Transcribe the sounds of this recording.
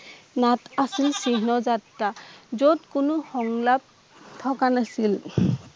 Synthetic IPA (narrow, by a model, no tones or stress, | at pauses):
natasilsiɦnɔzatɾazodkʊnʊxɔŋlap̚ | t̪ʰɔkanasil